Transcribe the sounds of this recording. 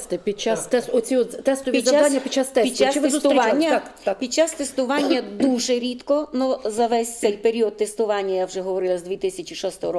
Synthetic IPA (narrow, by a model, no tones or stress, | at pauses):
t̪ɪpʲid̚t͡ʃast̪ɛsɔt͡sʲiɔt̪t̪ɛst̪ɔʋʲizɐad̪anʲːɐpʲid̥̚t͡ʃːast̪ɛpidtt͡ʃasɪt̪eʊsʊɾanʲːɐk̪pʲid̪̚t͡ʃːast̪est̪ʊʋɑnʲːɐd̪uʒɛɾʲit̪kɔnuzɐʋɛsʲtsɛjpeɾʲiɔd̪̚t̪ːest̪ʊʋɑnʲːɐjawʒɛɦɔʋɔɾɪlˠɐzd̪ʲʋʲit̪ɪsʲɐt͡ʃʲiʃɔst̪ɔɔɾɔ